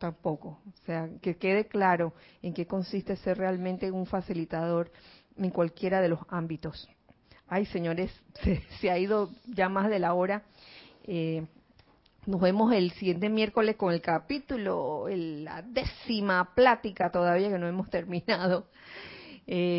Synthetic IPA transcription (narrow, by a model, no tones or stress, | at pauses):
t̪ampo̞ko̞seakeke̞ð̞e̞klaɾo̞ | eŋke̞ko̞nsist̪e̞se̞rre̞almẽnt̪e̞uɱfasilit̪að̞o̞ɾ | e̞ŋkwalkje̞ɾað̞e̞lo̞sambit̪o̞s | ajse̞ɲoɾe̞sːeseaiðo̞ʝamazðe̞laoɾa | e | no̞zβe̞mo̞se̞lsiɣje̞nt̪emje̞ɾko̞le̞sko̞ŋe̞lkapit̪uloea̰ðesimaplat̪ikat̪o̞ðaβ̞iake̞noe̞mo̞st̪e̞ɾmĩnaðo̞ | e